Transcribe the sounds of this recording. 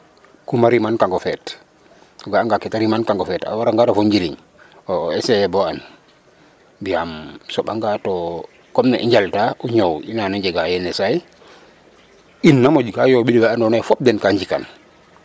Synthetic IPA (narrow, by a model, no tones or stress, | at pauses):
kumaɾimankaŋɡɔfɛt | ɡaːŋɡakɛtaɾimankaŋkɔfɛta̰waɾaŋɡatofoɲd͡ʒiɾḭɲ | ɔɛsɛɛbɔan | biamsɔɓaŋɡatɔ | kɔmnɛʔiɲd͡ʒaltaʔuɲowinanaɲd͡ʒɛɡajɛnɛsaj | inːamod͡ʒɡajobidiɡaandɔnajfɔp̚dɛnkaɲd͡ʒika̰n